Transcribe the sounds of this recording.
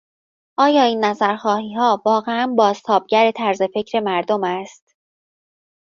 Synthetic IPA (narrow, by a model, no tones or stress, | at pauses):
ʔɒːjɒːiːnːæzæɾxɒːhiːhɒːvɒːɣe̞ænbɒːzt̪ʰɒːb̚ɟæɾe̞t̪ʰæɾze̞fe̞cʰɾe̞mæɾd̪omæst̪